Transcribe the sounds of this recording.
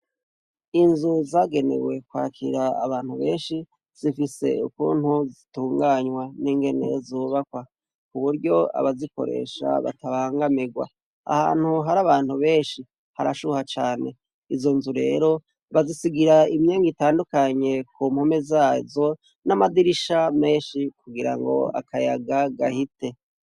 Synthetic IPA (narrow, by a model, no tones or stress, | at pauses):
inzuzaːɡe̞ne̞̰we̞kwa̰ːkʰḭɾa̰ːβaːn̥huβe̞ːnʃi | z̥ifise̞̰ukṵːn̥huzituːŋɡaːɲwaniːŋɡe̞nḛzoːβakwa | kuβuɾɟo̞a̰βaziko̞̰ɾe̞̰ːʃa̰βa̰taβaːŋɡamiɡwa̰ | a̰ha̰ːn̥huɦaɾaβaːn̥huβe̞ːʃi | haɾaʃuhat͡ʃaːne̞̰ | izo̞nzuɾe̞̰ɾo̞ | βazisiɡiɾaimjeːŋɡitaːndukaɲe̞kuːmhome̞zaːzo̞ | namadiɾiʃame̞ːnʃikuɡiɾa̰ŋɡo̞̰a̰kʰajaɡaɡahite̞